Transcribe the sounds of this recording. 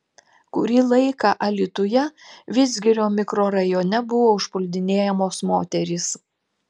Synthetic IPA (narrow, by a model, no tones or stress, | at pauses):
kʊɾʲiːlˠɐɪkɐʔɐlʲɪt̪ʊjɛʋʲɪsʲɡʲɪɾʲoːmʲɪkɾoːɾɐjoːnʲɛbʊʋoːʊʃpʊlʲd̪ʲɪnʲeːjɛmoːsmoːt̪ʲɛɾʲɪs